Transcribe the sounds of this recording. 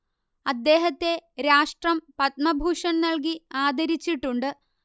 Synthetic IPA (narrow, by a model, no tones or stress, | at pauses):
ɐd̪ːe̞ːɦɐt̪ːe̞ɾaːʂʈrɐmpɐt̪̚mɐbʱuːʂɐnnɐɭk̬iaːd̪ʱɐɾit͡ɕːiʈːuɳɖɨ